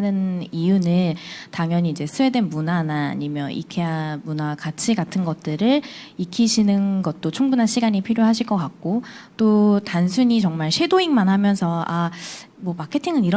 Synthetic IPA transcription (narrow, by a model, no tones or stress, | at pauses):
nɯnijunɯntaŋjʌɲiːd͡ʑe̞sʰɯwe̞dwe̞nmunana̰ːɲimjʌnʔḭkʰeamunakat͡ɕʰiɡatʰɯnɡʌt̚t͈ɯɾɯɭikʰiɕʰinɯnɡʌt̚t͈ot͡ɕʰuŋbunɦaɕʰiɡaɲipʰiɾjoɦaɕ̬ʰiɭk͈ʌk͈ak̚k͈ot͈otansʰuɲit͡ɕʌŋmaɭɕʰe̞doiŋmanɦamjʌnsʰʌa | mwʌmakʰe̞tʰiŋɯniɾ